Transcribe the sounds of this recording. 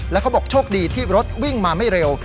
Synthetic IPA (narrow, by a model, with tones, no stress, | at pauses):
lɛ˦˥kʰa˦˥bɔː˨˩k̚t͡ɕʰoː˥˩k̚diː˧t̪ʰiː˥˩ɾo˦˥t̪̚wi˥˩ŋmaː˧ma˥˩jɾe˧w